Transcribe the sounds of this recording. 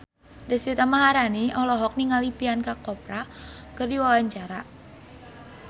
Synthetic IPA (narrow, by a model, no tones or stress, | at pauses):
desit̪amaɦaɾaniʔɔlɔɦɔk̚niŋalipiankakɔpɾa | kərdiwawaɲt͡ʃaɾa